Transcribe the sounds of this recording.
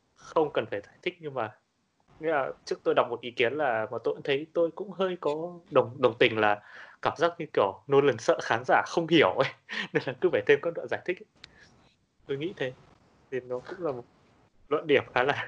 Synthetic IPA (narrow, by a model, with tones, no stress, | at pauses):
xə˧wŋ͡mkə˨˩nfaː˧˩jzaː˧˩jt̪ʰï˦˥k̟̚ɲɨ˧ŋmaː˨˩ | ŋḭ˧˥laː˨˩t͡ɕɨ˦˥ək̚t̪o˧jɗa˨˩wk͡p̚mo˨˩t̚ʔi˨˦ki˨˦ənlaː˨˩məː˨˩t̪o̰˧˨t̪ʰə˨˦jt̪o˧jkʊ̰˧˥ŋ͡mɦəː˧jkɔ˨˦ɗə˨˩wŋ͡mɗə˨˩wŋ͡mt̪ï˨˩ŋ̟laː˨˩kaː˧˩mzaː˦˥k̚ɲɨ˧ki˧˩əwno˧lə˨˩nsə̰ː˧˨xaː˨˦nzaː˧˩xə˧wŋ͡mhi˧˩əwʔə˨˦jne˧nlaː˨˩kɨ˨˦vaː˧˩t̪ʰe˧mkɔː˧˦nlwa̰˧˨nzaː˧˩jt̪ʰï˦˥k̚ | t̪o˧jŋḭ˧˥t̪ʰe˨˦ | ne˧˩nnɔ˨˦xɨ˦˥laː˨˩mo˨˩t̚ | lwə̰˧˨nɗi˧˩əmxaː˨˦laː˨˩